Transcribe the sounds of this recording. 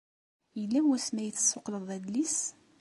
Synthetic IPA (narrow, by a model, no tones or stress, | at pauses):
jəlːæwæsmæjθːə̥sːoqləðˤæd̪lis